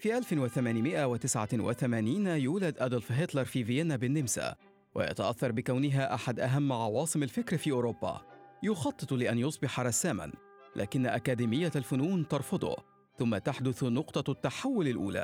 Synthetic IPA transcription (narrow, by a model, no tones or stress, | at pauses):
fiːʔalfɪnwɪθamaːnɪmɪʔawɪt̪ɪsʕawɪ̰θamaːniːnjuːlad̪ʔad̪ɑlfɦɪt̪lɑɾˤfiːvɪjanːabɪnːɪmsa̰ | wʔa̰jɑ̰t̪aʔaθːɑɾˤbɪkawnɪɦaːʔaħad̪ʔaɦamːʕɑwɑːsˤɨmalfɪkɾfiːʔʊːɾobːa̰jʊxɑt̪ˤːɨt̪ˤlɪʔanjʊsˤbɪħɑɾˤɑsːaːma̰n | lʔa̰ːkɪnːaʔakæːd̪iːmɪjːalfʊnuːnt̪ɑɾˤfʊd̪ˤʊ̰ | θʊmːat̪aħd̪ʊθnʊqt̪ˤɑt̪ːaħawːʊlalʔṵːla̰ː